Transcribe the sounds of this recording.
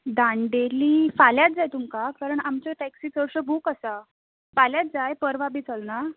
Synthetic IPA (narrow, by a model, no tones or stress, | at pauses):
d̪ãɳɖeliːfaljat̪̚d͡zajt̪umkakaɾəɳamt͡ɕɔʈæksiːt͡səɾɕəbʱuːkəsa | faljat̪̚d͡zajpəɾʋabit͡səlna